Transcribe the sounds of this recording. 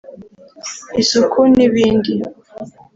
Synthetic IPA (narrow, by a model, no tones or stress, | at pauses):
isukʰuniβiːndi